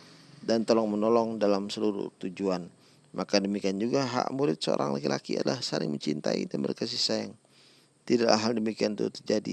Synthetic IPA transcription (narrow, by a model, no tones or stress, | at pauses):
dant̪olɔŋmənɔlɔŋdalamsəluɾṵt̪ud͡ʒuan | makadəmikiand͡ʒuɡaɦa̰ʔmuɾɪt̪̚səo̰ɾʔa̰ŋlakilakia̰t̪lahsalɪ̰ŋməɲt͡ʃint̪aḭdanməɾkas̬isajaŋ | t̪idaʔaɦaldəmikiant̪ut̪ərd͡ʒadḭ